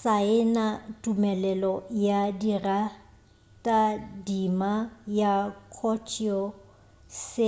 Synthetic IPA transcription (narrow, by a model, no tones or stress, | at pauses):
saɪnatʼumɛlɛlɔjadira | tʼadimajakʰɔt͡ʃʰʼiɔ | se